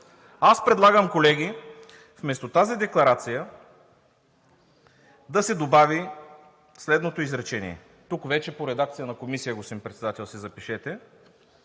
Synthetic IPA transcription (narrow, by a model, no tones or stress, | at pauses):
aspɾɛd̪lˠaɡəmkolɛɡʲi | fmɛst̪ot̪azid̪ɛklˠɐɾat̪sijə | d̪ɐsɛd̪obavi | slɛd̪not̪oizɾɛt͡ʃɛnḭɛ̰ | t̪ukvɛt͡ʃɛpoɾɛd̪ak̚t̪sijənɐkomisijəɡosimpɾɛt̪sɛd̪at̪ɛlˠsizɐpiʃɛt̪ɛ